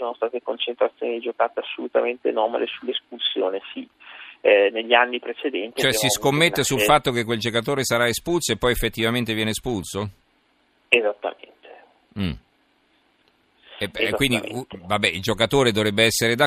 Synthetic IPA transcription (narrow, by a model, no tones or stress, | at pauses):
soːnost̪aːt̪ekont͡ʃent̪ɾat̪sjoːnid̪id͡ʒokaːt̪easːolut̪ament̪ḛnɔːma̰lesulːespulsjoːnesi | neʎːianːipɾet͡ʃed̪ɛnt̪it͡ʃt͡ʃoɛsiskomːet̪ːesulfat̪ːokek̬ːweld͡ʒokat̪̬oːɾesaɾaespulsoepːɔjefːet̪ːivament̪evjɛːnespulso | ezat̪ːa̰mḛnt̪e̥ | m̩ | ɛekzwind̪ḭvabːɛild͡ʒokat̪oːɾed̪ovɾɛbːeɛsːeɾed̪a